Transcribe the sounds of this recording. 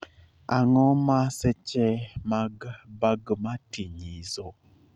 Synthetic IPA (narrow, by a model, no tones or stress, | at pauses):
aŋɔmasɛt͡ʃɛmaɡbaɡmatiɲizo